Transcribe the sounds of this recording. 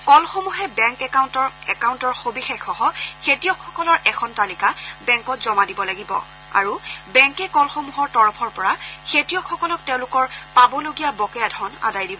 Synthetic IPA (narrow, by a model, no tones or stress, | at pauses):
kɔlxomuɦɛbɛŋkɛkawntɔɛkawntɔɹxobixexɔɦɔkʰetijɔkʰxɔkɔlɔɹʔɛkʰɔntalikabɛŋkɔtzɔmadibɔlaɡibɔ̰ | a̰ɹubɛŋkɛkɔlxomuɦɔɹtɔɹɔpʰɔɹpɔɹaxʰetijɔkʰːɔkɔlɔk̚teʊ̃lʊkɔɹpabɔloɡijabɔkɛjadʱɔna̰dajdibɔ